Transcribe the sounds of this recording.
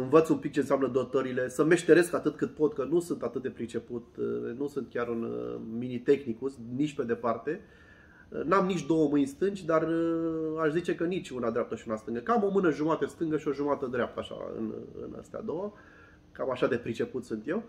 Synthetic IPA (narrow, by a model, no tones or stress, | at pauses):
ɨnvət̪sumpik̚t͡ʃe̞nseamnəd̪ot̪əɾile̞səme̞ʃt̪e̞ɾe̞skat̪ɨt̪̚kɨt̪̚po̞t̪kənusunt̪at̪ɨt̪̚d̪e̞pɾit͡ʃe̞put̪̚nusunt̪kʲaɾɨnminit̪e̞xnikusnit͡ʃʲpe̞d̪e̞part̪e̞ | namnit͡ʃʲd̪o̞wəmɨnʲst̪ɨnd͡ʒʲd̪arəaʃzit͡ʃe̞kənit͡ʃʲunad̪ɾeap̚t̪əʃiunast̪ɨŋɡəkamo̞mɨnəʒumat̪əst̪ɨŋɡəʃio̞ʒumat̪əd̪ɾeap̚t̪əaʃa̰ɨ̰nɨ̰na̰st̪ea̰d̪o̞wa | kamaʃad̪e̞pɾit͡ʃe̞put̪sunt̪je̞w